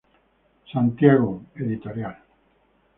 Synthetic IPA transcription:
sant̪jaɣoeðit̪oɾjal

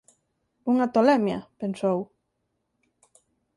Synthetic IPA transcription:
uŋat̪olɛmja̰pensow

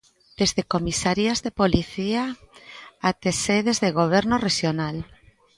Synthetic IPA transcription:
d̪̥ezðekomisaɾjazðepoliθia | at̪eseðezðeɣ̞oβ̞ɛɾnoreʃjonal

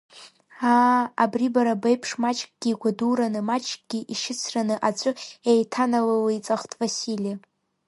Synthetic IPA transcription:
aːbribaɾabejpʰʂmat͡ʃʼkʼɡ̥ʲiɡʷaduɾanɨmat͡ʃʼkʼɡ̥ʲiʔiʃɪt͡sʰranɨʔat͡sʷʼʊejtʰanalalit͡sʼaχʷtʰʼvasilija

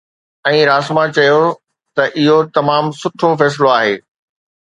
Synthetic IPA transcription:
ɛ̃ːɾaːsmãt͡ɕɐjo | t̪ɐʔɪɦot̪ɐmaːmsʊʈʰofɛːs̬ɪloaːɦḛː

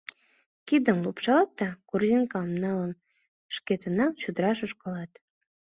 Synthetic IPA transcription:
kid̪ə̆nlupʃɑlɑt̪ːɑkurzinkɑmnɑlə̆n | ʃket̪ə̆nɑŋt͡ɕud̪əɾɑʃŏʃkɤ̆lɑt̪

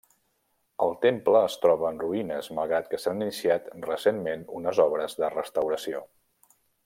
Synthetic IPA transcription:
əlˠt̪empləːst̪ɾɔβəːnruinəzməlˠɣɾat̪kəsaninisiat̪rəsenmenunəzɔβɾəzðərəst̪əwɾəsio

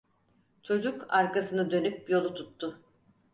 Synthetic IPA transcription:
t͡ʃʰo̞d͡ʒukaɾkasɯnɯd̪ø̞nyp̚jo̞lˠut̪ʰut̪ːʊ

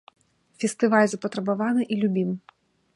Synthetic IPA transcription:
fʲɛst̪ɨvalʲzɐpɐt̪ɾɐbavanɨʔilʲubʲim

